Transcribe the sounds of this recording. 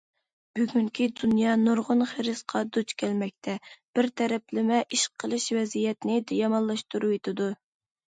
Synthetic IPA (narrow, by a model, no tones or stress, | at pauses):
b̥yɡʲyŋkʲʰid̪unjɑnuɾʁʊnχeɾɨsqʰɑd̪ut͡ʃkʲʰɛlmɛk̚ʲt̪ʰɛb̥ɪɾt̪ʰɛɾɛplɪmɛʔiʃqʰːəlˠɨʃvɛzijɛt̪nɪd̪ɛjɑmɑnlˠɑʃt̪uɾuwet̪ʰɪd̪u